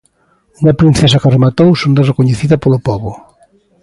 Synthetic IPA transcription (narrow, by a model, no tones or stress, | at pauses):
uŋɐpɾin̟θes̬ɐkɐremat̪owsond̪ɐrekoɲeθiðɐpolʊpɔβʊ